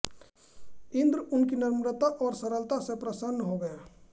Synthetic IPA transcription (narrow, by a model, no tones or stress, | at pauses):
ɪ̃nd̪ɾʊnkinɪɾmɾət̪aʔɔːɾsəɾəlt̪asẽpɾəsənːɦoɡəe